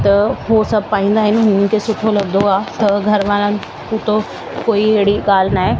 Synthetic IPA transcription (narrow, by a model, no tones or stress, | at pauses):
t̪ɐɦosɐb̚ʱpaːĩːn̆d̪aːɦɪnɪ̆ɦʊ̃nənkʰeːsʊʈʰolɐɡd̪oaːt̪ɐɡʱɐɾʋãːlənɪ̆ | puːt̪o | koːiɦeɦɽiɠaːl̤naːɦe